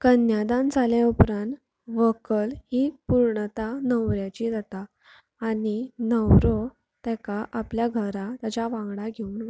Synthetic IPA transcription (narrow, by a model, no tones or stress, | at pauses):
kənjad̪ãnd͡zʱaljaupɾãnt̪ | ʋəkəlɦipuɾɳət̪anəwɾjat͡ɕid͡zat̪aː | ninəwɾo | t̪ɛkaʔapljaɡʱəɾat̪jat͡ɕaʋãŋɡɽaɡʱeuːn